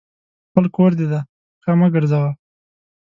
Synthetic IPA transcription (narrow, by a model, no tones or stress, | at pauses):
pəlkoɾd̪ed̪a | kamaɡəɾzawa